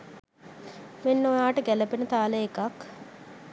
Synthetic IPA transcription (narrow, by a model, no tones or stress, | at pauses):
menːojaːʈəɡælɐpenət̪aːləekak